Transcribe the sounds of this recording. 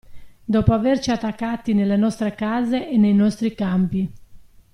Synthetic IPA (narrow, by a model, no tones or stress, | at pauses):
d̪ɔːpoavert͡ʃiat̪ːakːat̪ːinelːenɔst̪ɾekaːzeʔːnːejnɔst̪ɾikampi